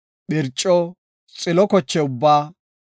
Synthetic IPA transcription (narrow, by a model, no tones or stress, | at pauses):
ɓɪɾt͡ʃʼːɔ | t͡sʼɪlɔkɔt͡ʃːɛʊbːaː